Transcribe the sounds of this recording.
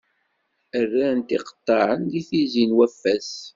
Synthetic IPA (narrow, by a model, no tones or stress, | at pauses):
ərːænt̪iqə̥t̪ˤːɑɾənd̪iθizinwæfːæs